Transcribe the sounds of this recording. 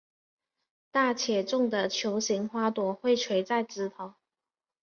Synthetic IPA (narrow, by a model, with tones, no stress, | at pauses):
t̪a˥˩t͡ɕʰjɛ˨˩ʈ͡ʂʊ˥˩ŋd̪ə˨t͡ɕʰjo˧˥ʊɕi˧˥ŋxwa˥t̪wɔ˧˥xwe˥˩ɪʈ͡ʂʰwe˧˥ɪt͡sa˥˩ɪʈ͡ʂɻ̩˧˥t̪ʰɑ˨˧˥ʊ